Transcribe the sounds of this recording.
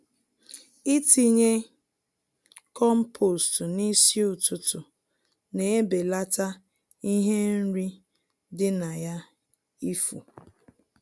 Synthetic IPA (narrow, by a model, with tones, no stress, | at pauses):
i˦ti˦ɲe˦ | kɔ˦m̩˦pʰo˨stʊ˨ni˦sji˦ʊ˨tʊ˨tʊ˨ | ne˨e˦be˨la˦ta˦ | i˦ɦe˦n̩˦ɾi˦ | dɪ˦na˨ja˦ | i˦fṵ˨